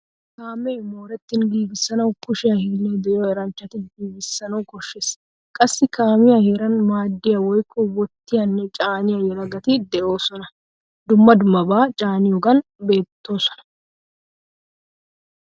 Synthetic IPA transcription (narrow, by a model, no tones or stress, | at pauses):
kaːmeːmo̞ːɾɛt̪ːɪnɡiːɡɪsːɐnɐwkʊʃɪjɐhiːned̪ɛjoːɛɾɐnt͡ʃːɐt̪ɪnɡiːɡɪsːɐnɐwkɔʃːes | kʼɐsːɪkaːmɪjɐheɾɐnmaːd̪ːɪjɐwɔjkʰːɔwɔt̪ːɪjɐnːɛt͡ʃʼaːnɪjɐjɛɾɐɡɐt̪ɪd̪ɛʔo̞ːsɔnɐ | d̪ʊmːɐd̪ʊmːɐbaːt͡ʃʼaːnɪjɔɡɐnbe̞ːt̪ːo̞ːsɔ̥nɐ̥